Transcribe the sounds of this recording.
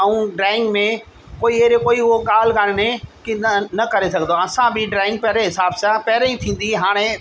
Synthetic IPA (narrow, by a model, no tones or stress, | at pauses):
ɐũɖɾaːɪ̃ŋɡmẽ | koːieːɾekoːiʊɦoɠaːl̤ɡaːɽɪnẽkinɐkɐɾesɐɡʱə̃nd̪oɐsãbɪɖɾaːɪ̃ŋɡ̚pɛɦɾeɦɪsaːbsãpɛɦɾẽĩt̪ʰĩːn̆d̪iɦaːɽ̃e